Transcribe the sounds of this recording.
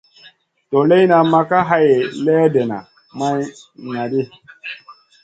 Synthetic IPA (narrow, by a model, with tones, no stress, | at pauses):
to˨le˦na˨ma˦ka˦ɦa˦je˨lɛː˦de˨na̰˨ | ma˦j | na˨di˦